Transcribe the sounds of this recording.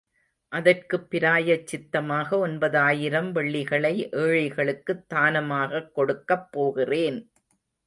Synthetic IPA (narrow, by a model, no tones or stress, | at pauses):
ʔɐðɐrkɯpːɪɾaːjɐt͡ʃːɪt̪ːɐmaːɣɐɔnbɐðaːjɪɾɐmʋɛɭːɪɣɐɭɐɪʔeːɻɐɪɣɐɭɯkːɯt̪ːaːnɐmaːɣɐkːɔɽɯkːɐpːoːɣɪreːn